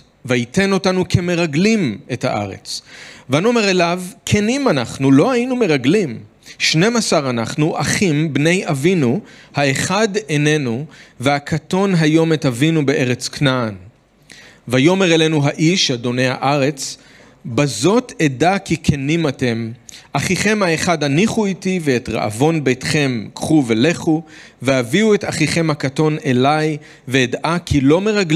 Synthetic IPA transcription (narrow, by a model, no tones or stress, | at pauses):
vaite̞no̞tanukʰe̞me̞ʁaɡlime̞tha̰ʔa̰ʁe̞̰t͡svanomeʁelavkʰenimanaχnulo̞hajinume̞ʁaɡlim | ʃne̞masaʁanaχnuʔaχimbne̞javinuhaeχadene̞nuvehakʰato̞nɦajo̞metavinubeʔeʁet͡sknan | vajo̞me̞ʁelenuɦaʔiʃado̞ne̞jha̰ʔaʁe̞t͡s | bazo̞tʰe̞dakikʰenimate̞mʔaχiχe̞mhaeχadaniχuitiveːtʁa̰ʔa̰vo̞nbejtχe̞mkχuvele̞χu | vehaviue̞taχiχe̞mhakato̞ne̞laj | veeːdʔakʰilo̞me̞ʁaɡl